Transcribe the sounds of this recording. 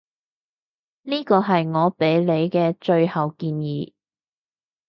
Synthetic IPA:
niː˥kɔː˧ɦɐ˨jŋɔː˨˧pe˨˥jle˨˧jkɛː˧t͡ʃɵ˧ɥhɐ˨wkiː˧njiː˨˥

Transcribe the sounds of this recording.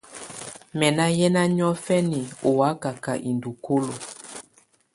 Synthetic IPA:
mɛ˨na˦jɛ˦na˦ɲɔ˦fɛ˦ni˨o˨wa˦ka˨ka̰˨ʔi˨ndu˨ko˦lo˨

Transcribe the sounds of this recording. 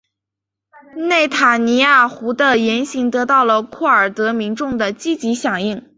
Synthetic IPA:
ne˥˩ɪt̪ʰa˨˩ni˧˥ja˥˩xu˧˥d̪ə˧jɛ˧˥nɕi˧˥ŋt̪ɤ˧˥t̪ɑ˥˩ʊlə˩kʰɔ˥˩ə˞˨˩t̪ɤ˧˥mi˧˥ŋʈ͡ʂʊ˥˩ŋd̪ə˩t͡ɕi˥t͡ɕi˧˥ɕjɑ˨˩ŋi˥˩ŋ

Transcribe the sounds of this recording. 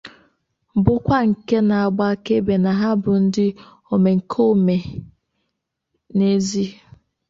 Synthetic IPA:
bʊ˦kʷa˦ŋ̩˨ke˦na˨a˨ɡ͡ba˦ke˦be˨na˨ɦa˦bʊ˨n̩˦dɪ˦ | o˨me˨ŋ̩˨kʰo˦˨me˨ | ne˦zi˦

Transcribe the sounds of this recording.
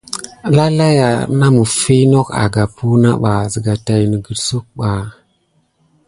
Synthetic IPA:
la˦la˦ja˨˦na˦mə˨fe˦no˦ka̰˨ɡa˨pu˦na̰˦ɓa˨zə˨ɡa˨ta˨jnə˨ɡə˨ɾsu˦k̚ɓa˨

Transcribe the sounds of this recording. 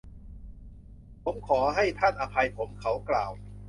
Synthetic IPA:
pʰo˨˦mkʰɔː˩˦ɦa˥˩jt̪ʰa˥˩nʔa˧pʰa˧jpʰo˩˦mkʰa˩˦˥wklaː˨˩w

